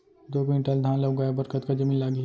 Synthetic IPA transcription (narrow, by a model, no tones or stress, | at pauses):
d̪oːkmĩːʈaːld̪ʱãːlɐɡaːjebɐɾkət̪kad͡ʒɐmĩːnlaːɡi